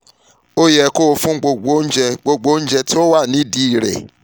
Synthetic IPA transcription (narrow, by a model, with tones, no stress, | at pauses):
o˦jɛ˨ko˦wo˧fũ˦ɡ͡bo˧ɡ͡bo˨˦n̩˦d͡ʒɛ˧ɡ͡bo˧ɡ͡bo˦n̩˦d͡ʒɛ˧to˦wa˦˨nĩ˨˦di˦i˨ɾɛ̰˨